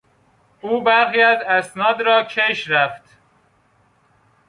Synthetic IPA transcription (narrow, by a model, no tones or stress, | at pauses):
ʔuːbæɾxiːæzæsnɒːd̪ɾɒːcʰeʃɾæft̪